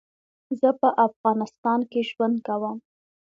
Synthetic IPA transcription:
zəpəʔafɣɑnɪst̪ɑnkeʒwand̪̚kawəm

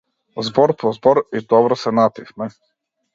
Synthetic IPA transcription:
zbɔɾpʰɔzbɔɾid̪ɔbɾɔsɛnat̪ifmɛ

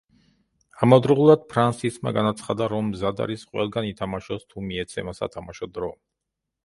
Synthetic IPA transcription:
amɔd̪ɾulˠad̪̥̚pʰɾansisma̰ɡanat̪sʰχad̪aɾɔmːzad̪a̰ɾisqʼwɛ̰lˠɡanit̪ʰamaʃɔst̪ʰumiɛt̪sʰɛmasa̰t̪ʰamaʃɔd̪ɾɔ

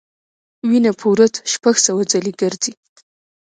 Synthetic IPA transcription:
winapʰuɾət̪ʃpaɡsawad͡zaliɡəɾd͡zi

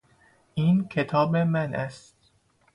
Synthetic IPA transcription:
ʔiːnkʰe̞t̪ʰɒːbemænʔæst̪

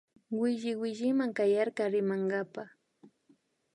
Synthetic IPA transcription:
wɪʒɪwɪʒɪmaŋkajaɾkaɾɪmaŋɡapa

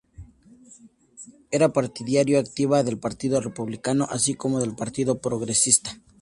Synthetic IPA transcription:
e̞ɾapaɾt̪iðjaɾjoak̚t̪iβaðe̞lpaɾt̪iðo̞re̞puβlikano̞ʔasiko̞mo̞ðe̞lpaɾt̪iðo̞pɾo̞ɣɾe̞sist̪ḁ

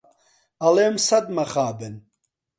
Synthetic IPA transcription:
aleːmsɐd̪maχaːbɛn

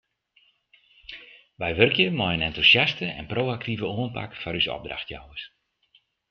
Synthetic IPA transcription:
ʋɛjʋørkjəmɔjənɛntusjastəɛ̰nprowak̚tivəuənpa̰kfɔɾysɔ̰b̚dra̰xtja̰wəs

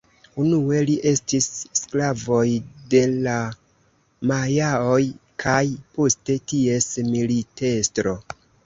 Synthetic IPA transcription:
unue̞liʔe̞stisːklavo̞jde̞la | majaojkʰajpo̞ste̞tie̞smilite̞stɾo̞

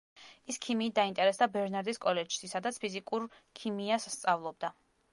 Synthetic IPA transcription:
iskʰimiːt̪̚d̪aint̪ʼɛɾɛsd̪abɛɾnaɾd̪iskʼɔlɛd͡ʒsisad̪at̪sʰpʰizikʼuɾ | kʰimiassːt̪sʼavlˠɔb̚d̪a

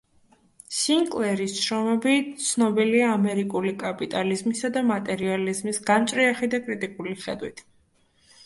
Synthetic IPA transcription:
siŋkʼlɛɾisʃɾɔmɛbit̪sʰnɔbiliaːmɛɾikʼulikʼapʼit̪ʼalizmisad̪amat̪ʼɛɾializmisɡamt͡ʃʼɾiaχid̪akʼɾit̪ʼikʼuliχɛd̪wit̪ʰ

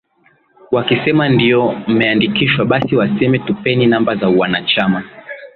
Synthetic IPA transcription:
wakisɛmandijɔm̩mɛandikiʃwaɓasiwasɛmɛtupɛninambazauwanat͡ʃama

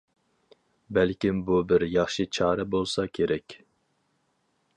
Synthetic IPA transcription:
bælkʲimbubɪɾjɑχʃɨt͡ʃʰɑːɾɛbolˠsɑkʲʰeɾɛkʲ

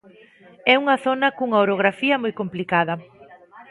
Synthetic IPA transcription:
ɛuŋɐθonɐkuŋaoɾoɣɾafiɐmojkomplikaðɐ

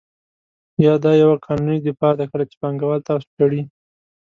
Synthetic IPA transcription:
jɑd̪ɑjawakʰɑnunid̪ɪfɑd̪akəlat͡ʃe̥paŋɡawɑlt̪ɑso̥paɽi

